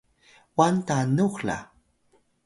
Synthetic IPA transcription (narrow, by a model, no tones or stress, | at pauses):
want̪anuxla̰